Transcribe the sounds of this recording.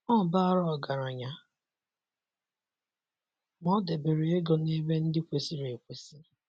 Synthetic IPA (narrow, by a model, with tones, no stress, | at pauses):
ɔ˦˨ba˦ɾɔ˦˨ɡa˨ɾa˨ɲa˨ | mɔ˦de˨be˨ɾe˨e˦ɡɔ˨ne˦be˦n̩˦dɪ˦kʷe˨si˦ɾe˨kʷe˨si˦